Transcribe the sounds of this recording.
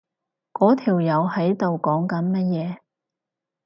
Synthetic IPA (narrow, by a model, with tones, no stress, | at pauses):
kɔː˨˥t̪ʰiː˨˩wjɐ˨˧whɐ˨˥jt̪o˨wkɔː˨˥ŋkɐ˨˥nmɐ˥t̚jɛː˨˧